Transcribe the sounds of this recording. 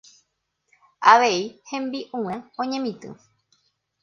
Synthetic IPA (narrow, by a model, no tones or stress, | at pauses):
aʋe̞ihẽ̞mbiʔũãõɲẽ̞mĩt̪ɨ̰̃